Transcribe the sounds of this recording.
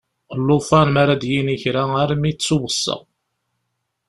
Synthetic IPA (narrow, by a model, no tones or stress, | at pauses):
lːʊfænmaɾad̪jiniçɾaaɾmit͡sːʊwəsːə̰ʁ